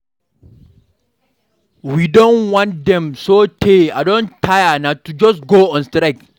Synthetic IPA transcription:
widɔ̃nwãntd̪ɛ̃msotʰeadõntʰajanatud͡ʒɔsɡoːɔ̃nstɾaɪk

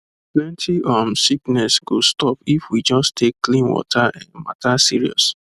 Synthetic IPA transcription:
plɛ̃ntʰiʔamsiknɛsɡ̥ostɔpifwid͡ʒɔstʰekːlĩnwɔ̰tʰaʔɛ̰̃nma̰tasiɹiɔ̰s

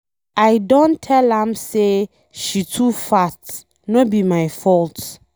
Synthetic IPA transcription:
ajdõntʰɛlãmse | ʃitʰufast | nobimajfɔlt

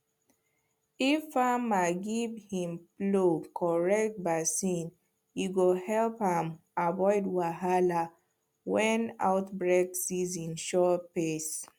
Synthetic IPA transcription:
ifamaɡivhĩmplokʰɔɹɛk̚t̚basĩn | jiɡohɛlphãm | avɔɪdwaɦala | wɛ̃na̰ʊtbɹeksizĩnʃɔpes

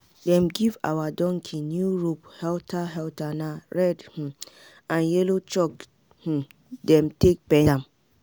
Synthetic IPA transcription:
dɛ̃mɡiva̰wadɔ̃ŋkʰinjuɹuphɛltʰaɦɛltanaɹɛdh̩ | ãnjɛlot͡ʃɔk | h̩ | dɛ̃mtek̚pɛ̃ãm

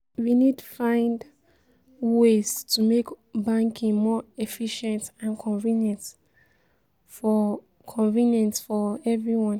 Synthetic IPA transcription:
winid̚tu̥fãɪ̃nd | wez̥tʰumek | bãŋkʰĩŋmɔɛfiʃɛ̃ntãnkʰɔ̃nvĩnjɛ̃nt | fɔ | kʰɔ̃nvĩnjɛ̃ntfɔɛvɹiwɔ̃n

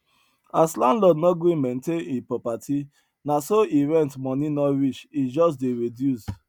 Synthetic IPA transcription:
aslandlɔdnɔɡɾimentenipɹɔpatʰi | nasoiɾɛ̃ntmɔninɔɾit͡ʃid͡ʒɔs̬deɹedjus

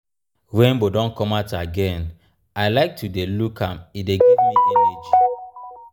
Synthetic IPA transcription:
wɛ̃nbodɔ̃nkɔmataɡɛ̃n | aɪlaɪk̚tudelukʰãmideɡivmievit͡ʃu

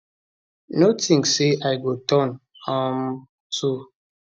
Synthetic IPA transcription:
notĩŋseʔajɡotʰɔ̃n | ɔm | tu

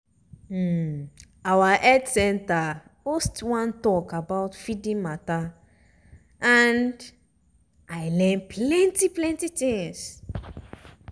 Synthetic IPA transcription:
awaʔɛdsɛ̃nta | mostwãntɔkabaʊtfidĩŋmata | ʔãnd | aɪlɛ̃npʰlɛ̃ntiplɛ̃ntit̪ĩŋs

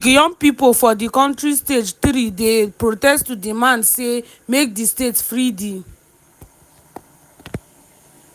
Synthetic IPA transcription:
ɡijɔ̃mpipofɔdikɔ̃ntɹisted͡ʒtɾidepɹotɛstːudimãndse | mek̚distetsfɹidi

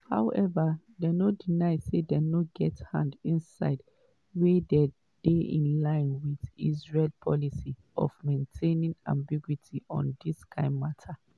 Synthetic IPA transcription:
ha̰ʊɛva | dɛnodinaɪsedɛnoɡɛthã̰ndĩnsa̰ɪd | wedɛ | d̥eḭ̃nlãɪ̃nwiðizɹelpʰɔlisi | ɔ̰vmẽntʰẽnĩŋã̰mbiɡwitʰiʔɔ̰̃ndiskʰãɪ̃nmatʰa

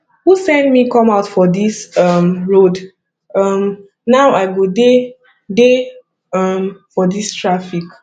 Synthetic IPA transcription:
husɛ̃ndmikɔ̃maʊtfɔdisʌmɹod | ʌm | naʊaɪɡude | de | ʌmfɔdistɹafik

